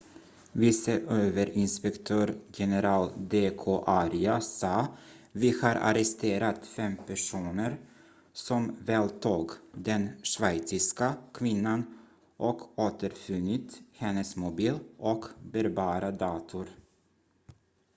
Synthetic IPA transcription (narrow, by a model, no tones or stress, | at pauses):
vɪsəʔøːvəɾɪnspɛkt̪ʰøːɾjɛnɛɾɑːld̪eːkʰoːʔaɾɪasɑː | vɪhaɾʔa̰ɾɛst̪eːɾat̪fɛmpʰæʂuːnəɾ | sɔmvɛːlt̪ʰuːɡd̪ɛnʂvɛjt̪sɪskakʰvɪnːan | ʔɔkoːt̪əɾfɵnːɪt̪hɛnːəsmʊbiːlʔɔkbɛɾbɑːɾad̪ɑːt̪ʰʊɾ